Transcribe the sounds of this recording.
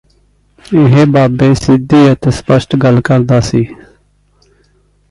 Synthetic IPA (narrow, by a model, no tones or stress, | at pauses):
ɪɦeːbaːbeːsɪd̪iːət̪eːspəsʈɡəlkəɾd̪aːsiː